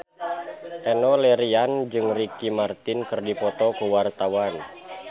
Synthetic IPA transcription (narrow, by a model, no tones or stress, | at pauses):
ʔɛnɔlɛɾiand͡ʒɨŋrikimart̪inkɨrdipɔt̪ɔkuwart̪awan